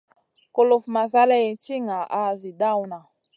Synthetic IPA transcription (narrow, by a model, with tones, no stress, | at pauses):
ko˦˨lu˨fma˨za˦lɛ˦i˨t͡ʃi˦ŋa˨ʔa˦zi˨da˦u˦na˨